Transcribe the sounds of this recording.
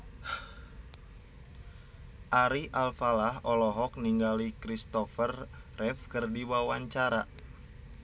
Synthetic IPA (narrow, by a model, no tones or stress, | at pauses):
ʔaɾiʔalfalahɔlɔɦɔk̚niŋɡalikɾist̪ɔfərrɛfkərdiwawaɲt͡ʃaɾa